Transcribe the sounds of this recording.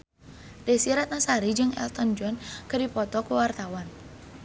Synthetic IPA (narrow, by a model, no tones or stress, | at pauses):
dɛsiɾat̪̚nasaɾid͡ʒɨŋɛ̰lt̪ɔnd͡ʒɔnkɨdipɔt̪ɔkuwart̪awan